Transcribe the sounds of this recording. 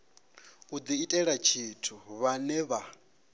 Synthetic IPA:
ud͡z̪iːtʼɛɺat͡ʃʰitʰuβanɛβa

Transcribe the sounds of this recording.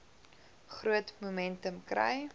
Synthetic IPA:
χruətmumɛntəmkrɛ̰j

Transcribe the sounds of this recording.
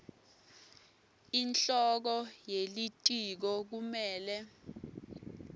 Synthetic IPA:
int͡ɬɔk̬ɔjelitʼik̬ɔk̬umɛːlɛ

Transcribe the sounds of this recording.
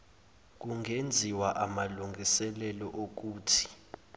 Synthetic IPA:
k̬uŋʱend͡zʱiwaʔamaluŋɡʱisɛlɛlɔʔok̬uːtʰi̥

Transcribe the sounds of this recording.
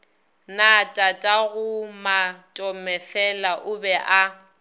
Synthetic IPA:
natʼatʼaɣʊmatʼɔmɛfɛlaʔʊbɛʔa

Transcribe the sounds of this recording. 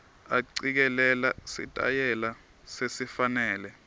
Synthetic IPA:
aǀik̬ɛlɛlasḭtʼa̰jɛla | sesifanɛːlɛ

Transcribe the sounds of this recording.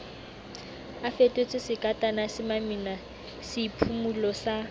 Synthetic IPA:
afetʼet͡sʼɪsɪkʼatʼanasɪmamina | sɪpʰumulɔsa

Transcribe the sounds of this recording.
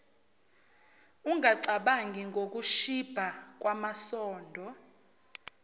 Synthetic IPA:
uŋʱaǀaɓaŋɡʱiŋɡʱok̬uʃib̥ʱak̬wamasɔːndʱɔ

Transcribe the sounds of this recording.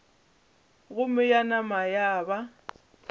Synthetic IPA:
ɣʊmɪjanamajaːba

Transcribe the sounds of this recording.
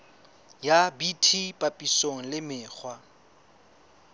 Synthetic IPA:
jabitʰipʼapʼisoŋ̩lɪmɪːk͡xʰwa

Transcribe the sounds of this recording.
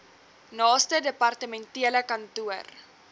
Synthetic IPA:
nɑːstədəpɐrtəmɛntiələkɐntuər

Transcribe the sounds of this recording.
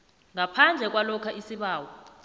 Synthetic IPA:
ŋapʰand͡ɮʱɛk̬walɔkʰaʔisiɓaːwɔ

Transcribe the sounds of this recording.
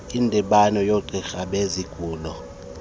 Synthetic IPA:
indʱɛɓanɔjoǃixaɓeziɡ̥ʱuːlɔ

